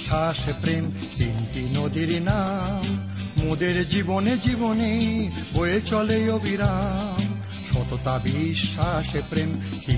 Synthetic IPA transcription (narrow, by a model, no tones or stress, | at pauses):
aʃepɾem | t̪int̪inod̪iɾnamː | od̪eɾd͡ʑiboned͡ʑibonebojet͡ɕɔlejobʱiɾam | ʃɔt̪ot̪abiʃːaʃepɾem | t̪i